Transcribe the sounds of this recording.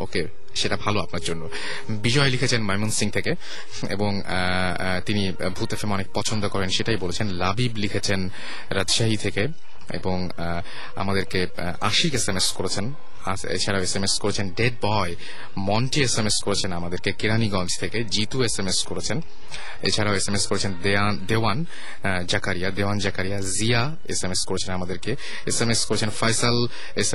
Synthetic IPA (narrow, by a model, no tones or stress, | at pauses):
o̰ke | ʃeʈabʱaloapnaɾd͡ʑonːo | bid͡ʑɔelikʰet͡ɕʰenmajmonsiŋt̪ʰeke | ḛboŋ | t̪ini | bʱut̪efʰemɔnek̚pɔt͡ɕʰond̪okɔɾenʃeʈajbolet͡ɕʰenlabiblikʰet͡ɕʰen | ɾadd͡ʑʃaɦit̪ʰeke | ḛboŋ | a̰mad̪eɾke | a̰ʃikesemeskoɾet͡ɕʰen | a | ḛt͡ɕʰaɾaoesemeskoɾet͡ɕʰenɖeɖ̚bɔe | mɔnʈiesemeskoɾet͡ɕʰenamad̪eɾkekeɾaniɡɔnd͡ʑt̪ʰeked͡ʑit̪uesemeskoɾet͡ɕʰen | ḛt͡ɕʰaɾaoesemeskoɾet͡ɕʰend̪eand̪ewan | d͡ʑakaɾijad̪ewand͡ʑakaɾijazia | esemeskoɾet͡ɕʰenamad̪eɾke | esemeskoɾet͡ɕʰenfajsal | ese